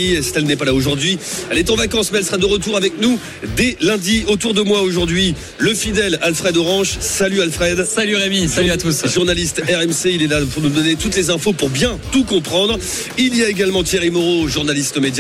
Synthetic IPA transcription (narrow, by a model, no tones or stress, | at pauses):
isi̥t̪ɛlnɛpalaoʒuʁd̪ɥiɛlɛt̪ɑ̃vakɑ̃smeɛlsə̥ʁad̪əʁət̪uʁavɛknu | d̪elɛ̃d̪iot̪uʁd̪əmwaoʒuʁd̪ɥi | ləfid̪ɛlalfχɛd̪ɔʁɑ̃ʃsalyalfχɛd̪salyʁemisalyat̪usʒuʁnalist̪ɛʁɛmseilɛlapuʁnud̪ɔnet̪ut̪lezɛ̃fopuʁbjɛ̃t̪ukɔ̃pχɑ̃d̪ʁ | ilijaeɡalmɑ̃t̪jeʁimoʁoʒuʁnalist̪əmed̪j